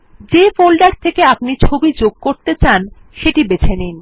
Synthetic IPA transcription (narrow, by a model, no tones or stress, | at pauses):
d͡ʑefolɖaɾt̪ʰekeap̚nit͡ɕʰobid͡ʑoɡ̚koɾt̪et͡ɕan | ʃeʈibet͡ɕʰenin